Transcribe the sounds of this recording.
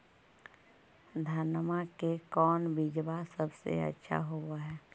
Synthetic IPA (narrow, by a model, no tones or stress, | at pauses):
d̪ʱaːnəmakekɔːnbid͡ʒbasəbsḛə̰tːʃʰa̰ɦowaɦɛː